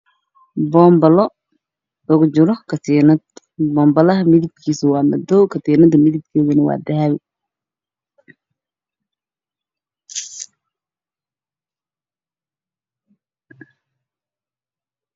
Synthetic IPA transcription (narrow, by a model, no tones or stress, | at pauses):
bɔːmbɐlɔ | ʊɣʊt͡ʃɪɾɔkʰɐt̪inɐd̪ | bɔːmbɐlɐɦɐmɪðɪbkʰiːsɪwɑːmɐ̰d̪ɔwkʰɐt̪iːnɐd̪ɐmɪðɪb̚kʰɛːðɐnɐwɑ̰ːd̪ɐɦɐwɪ